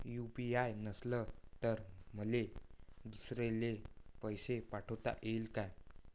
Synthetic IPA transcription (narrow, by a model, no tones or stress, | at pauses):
jupiajnəslət̪əɾm̤əled̪usɾelepəjsepaʈʰəwt̪a̰ʔelkaj